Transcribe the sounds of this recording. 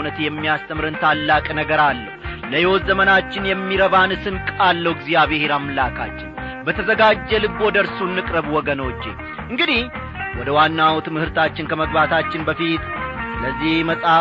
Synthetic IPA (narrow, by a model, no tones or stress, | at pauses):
nət̪jɛmːijast̪ʰəmɨɾɨnt̪ʰalːakʼnəɡəɾalːəhləjɛwɔzəmənat͡ʃːɪnjɛmːiɾəβanɨsɨnkʼalːəwɨɡzijaβeheɾamːlakʰa̰t͡ʃːɪn | bət̪ʰəzəɡad͡ʒːɛlɨɡo̞d̪əɾsunːɨkʼɾəβwɔɡəno̞t͡ʃːḛ | ʔɨŋɡɨd̪ih | wɔd̪əwanːawt̪mɨhɨɾt̪ʰat͡ʃːɪnkʰəməɡbat̪ʰat͡ʃːɪnbəfit̪ləzːihməsʼa